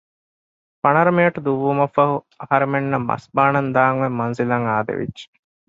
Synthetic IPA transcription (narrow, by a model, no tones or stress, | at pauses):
fɐnɐɾɐmejɐʈɐd̪uʋːumɐfɐɦu | ɐhɐɾɐmenːɐmːɐ̰sbaːnɐnd̪aːŋʋemːɐnzilɐŋaːd̪ḛʋḭd͡ʒːe̥